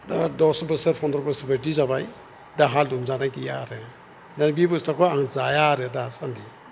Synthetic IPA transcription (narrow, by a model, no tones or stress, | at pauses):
dadɔsbɯsɯɾpʰɔndɾɔɾbɯsbədizabaj | daɦaldumzanakijaɾɛ | danbibɯstakʰɔaŋzajaɾedasandi